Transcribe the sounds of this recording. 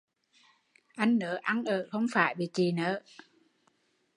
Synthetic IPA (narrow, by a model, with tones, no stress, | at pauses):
ʔa˧jŋ̟nəː˨˦ʔa˧nʔəː˧˩˨xə˧wŋ͡mfaː˧˩jɓḭ˨t͡ɕi˨˩nəː˨˦